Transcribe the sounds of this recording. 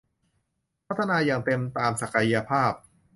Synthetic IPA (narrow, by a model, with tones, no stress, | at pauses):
pʰt̪ʰːa˧naː˧jaː˨˩ŋt̪e˧mt̪aː˧msa˨˩ka˧ja˧pʰaː˥˩p̚